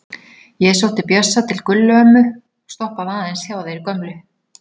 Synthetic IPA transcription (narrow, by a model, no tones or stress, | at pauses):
jɛɛsowt̪ɪpjœsːat̪ʰɪlkʏlːʏœmːʏ | ɔɣst̪ɔhpaðaːðɛnsjaːwaðejɾikœmlʏ